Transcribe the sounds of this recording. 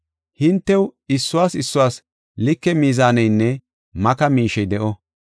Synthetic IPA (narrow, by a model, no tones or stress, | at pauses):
hɪnt̪ːɛwɪsːʊwaːsɪsːʊwaːs | lɪkːɛmiːzaːnɛjnːɛ | mɐkɐmiːʃɛjd̪ɛʔɔ